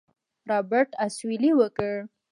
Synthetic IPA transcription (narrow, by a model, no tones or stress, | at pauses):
ɾabəɾʈaswiliwəkəɽ